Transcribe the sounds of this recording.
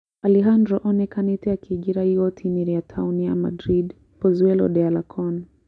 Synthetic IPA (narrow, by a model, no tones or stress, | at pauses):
aliɦandɾɔʔɔnɛkanitɛjakʰiɡiɾahiɔtʰiniɾiatʰawnia̰ma̰dɾid | pɔzwɛlɔ̰ɗɛalakʰɔn